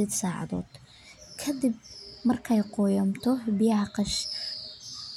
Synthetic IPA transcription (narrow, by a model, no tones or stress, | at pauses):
ɛːd̪saːʕɑ̰ðɔ̰ːd̪̥ | kʰɐd̪ɪbmɐrkʰɐjqɔjɐmt̪ʰɔbɪjɑʕqɑʃ